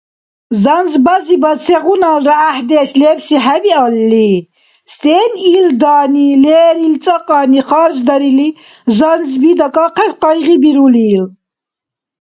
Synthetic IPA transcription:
zanzbazibasʰɛʁunalɾaːħd̪ɛːʃlɛːpsiħabialːi | st̪ʼɛːnild̪aːnilɛːɾilt͡sʼaqʼaːniχaɾd͡ʒd̪aɾili | zanzbid̪akʼaqʰɛsqɑjʁibiɾuliːl

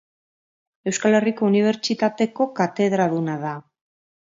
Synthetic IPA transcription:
e̞wskale̞riko̞uniβ̞e̞ɾt͡ʃit̪at̪e̞ko̞kat̪e̞ðɾaðunaða

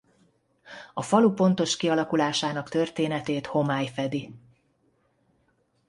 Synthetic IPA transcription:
ɒfɒlupo̞nt̪o̞ʃkiɒlɒkulaːʃaːnɒkt̪ø̞rt̪eːnɛt̪eːt̪ho̞maːjfɛd̪i

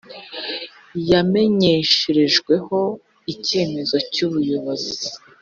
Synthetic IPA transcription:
jame̞ɲe̞ʃeɾe̞ʒɡwe̞ho̞ | ice̞ːme̞zo̞cuːβujo̞βozi

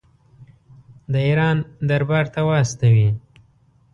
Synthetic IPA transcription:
d̪əiɾɑnd̪aɾbɑɾt̪awast̪awi

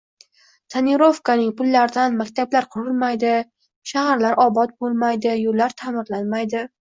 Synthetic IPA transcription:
t̪ʰanɪɾo̞fkanɪŋpʊlˠːaɾɪd̪anmakʲt̪ʰablaɾqʰʊɾɪlˠmajd̪ɪ | ʃahaɾlaɾʔɒbɒt̪̚bolˠmajd̪ɪjolːaɾt̪ʰamɪɾlanmajd̪ɪ

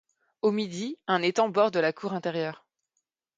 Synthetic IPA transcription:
omid̪iɛ̃net̪ɑ̃bɔʁd̪əlakʰuʁɛ̃t̪ɛʁjœːʁ

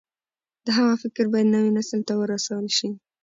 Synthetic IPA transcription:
d̪̥əɦamɑfɪkɾbɑjad̪nawinasəlt̪awəɾasawəlʃi

